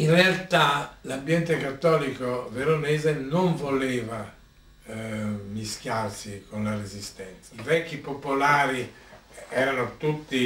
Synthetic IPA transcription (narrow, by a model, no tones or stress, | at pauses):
inrealt̪alambjɛnt̪ekat̪ːɔːlikoveɾoneːzenoɱvoleːva | misk̟jarsikonlarezist̪ɛnt̪saivɛkːipopolaːɾi | ɛːɾanot̪ut̪ːi